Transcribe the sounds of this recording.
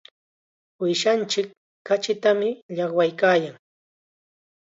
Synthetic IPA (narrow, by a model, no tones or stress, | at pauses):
wɪʃant͡ʃɪkː | at͡ʃɪt̪amɪʎɑχwajkaːjaŋ